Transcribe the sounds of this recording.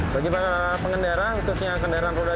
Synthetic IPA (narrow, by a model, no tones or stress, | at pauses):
baɡibakaa | pəŋəndaɾaut̪usɲakəndaɾanpoda